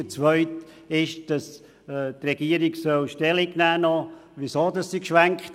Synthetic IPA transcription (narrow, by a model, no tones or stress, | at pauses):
ət͡sʋœʏt̪ | ɪʃd̥ɑs | trɛɡ̥iəɾiɡsœlʃtɛliɡnæːnɔʋisoːdɑssikʃʋæŋkχt